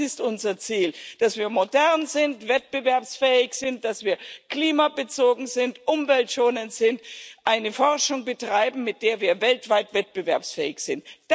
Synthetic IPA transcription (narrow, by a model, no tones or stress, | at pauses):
ɪstʔʊnzɐt͡siːld̥asv̥iːɐmodɛʁnzɪntv̥ɛt̚b̥əvɛɐpsfɛːɪçz̥ɪntd̥asv̥iːɐkliːmabət͡soːɡŋ̩zɪntʔʊmvɛltʃoːnəntz̥ɪntʔaɪnəfɔʁʃʊŋbətʁ̥aɪbm̩mɪt̚d̥eːɐviːɐvɛltv̥aɪtv̥ɛt̚b̥əvɛɐpsfɛ̰ːɪçz̥ɪntd̥